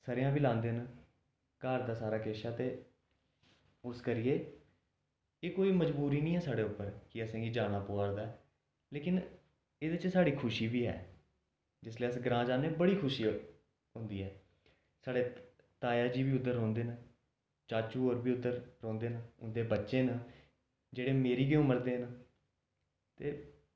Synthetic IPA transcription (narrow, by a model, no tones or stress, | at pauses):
səɾɪjãːbiːlãːnd̪eːnə | kaːɾd̪aːsaːɾaːkeːʃaːt̪eː | ʊskəɾɪjeː | eːkoːiːməd͡ʒbuːɾiːnĩːɦɛːsaːɽeːʊpːəɾkɪəsãːɡiːd͡ʒaːɽ̃aːpoaːɾd̪aːɛː | leːkɪn | eːd̪ɪt͡ʃsaːɽiːkʰʊʃiːbiːɦɛ̰ː | d͡ʒɪsleːəsɡəɾãːd͡ʒaːneːbəɽiːkʰʊʃiː | ɦʊ̃nd̪iːɦɛː | saːɽeː | t̪aːjaːd͡ʒiːbiːʊd̪ːəɾɦõːnd̪eːnə | t͡ʃaːt͡ʃuːoːɾbiːʊd̪ːəɾɾõːnd̪eːnəʊnd̪eːbətːʃeːnə | d͡ʒeːɽeːmeːɾiːɡɪʊ̃məɾd̪eːnə | t̪eː